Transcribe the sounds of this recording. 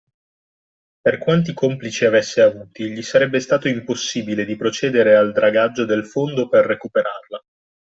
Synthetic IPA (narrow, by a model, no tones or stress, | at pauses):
perkwant̪̬ikomplit͡ʃiavesːeavuːt̪iʎisaɾɛbːest̪aːt̪oimposːibiled̪ipɾot͡ʃɛːd̪eɾeald̪ɾaɡad͡ʒːod̪elfond̪operːekupeɾarla